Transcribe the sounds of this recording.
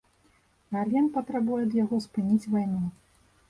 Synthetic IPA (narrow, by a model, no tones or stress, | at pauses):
narlʲɛnpɐt̪ɾabujɛd̪jaɣɔspɨnʲit͡sʲvajnu